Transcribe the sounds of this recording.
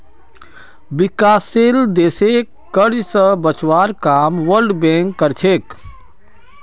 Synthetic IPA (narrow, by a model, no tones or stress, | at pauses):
bikaːseld̪eːsekːəɾd͡ʒsə̃bət͡ʃwaːɾkaːmʋəɾɖbẽŋkːəɾt͡ʃʰek